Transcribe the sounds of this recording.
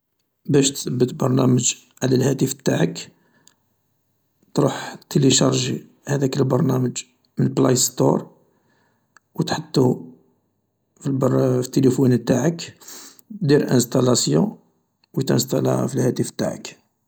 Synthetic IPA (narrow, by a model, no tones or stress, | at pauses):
bæʃt̪səbːət̪bɑɾˤnæməʒ | ʕlælhæt̪əft̪aʕək | t̪ɾuħt̪ːeliʃɑɾˤʒi | hæd̪ækəlbɑɾˤnæməʒ | mənəlblajst̪o̰ɾˤ | wət̪ħət̪ːu | filbfi̥t̪ːelifunt̪aʕək | d̪iɾlʔə̰̃nst̪ɑlɑsjũ | wət̪ə̰nst̪æla̰filhæt̪əft̪ːaʕə̰k